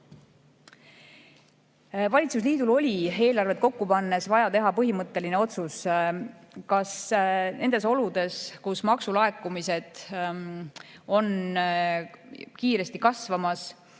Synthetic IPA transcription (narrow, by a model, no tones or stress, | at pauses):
vɑlʲit̪sus̬liːd̪̥ulo̞lʲie̞ːlɑrve̞t̪̚ko̞kːupɑnːe̞svɑjɑt̪e̞ɦɑpɤɦimɤt̪ːe̞line̞o̞t̪sus | kɑsne̞nd̪e̞so̞lud̪̥e̞skusmɑksulɑe̞kːˑumise̞d̪̥ | o̞n | kiːɾe̞st̪ikɑsvɑmɑs